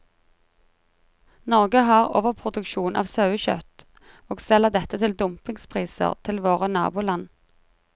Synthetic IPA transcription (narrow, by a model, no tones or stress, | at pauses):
nɔʁɡəɦɑːʁo̰ːʋəʁpʰʁʊd̪ʉkʃuːnʔɑ̰ːʋsɑʉəçœ̰t̪ | oːɡsɛləʁd̪ɛt̪ət̪ʰɪld̪ʊmpɪŋspʰʁiːsə̰ʁt̪ʰɪlʋoːʁənɑ̰ːbuːlɑn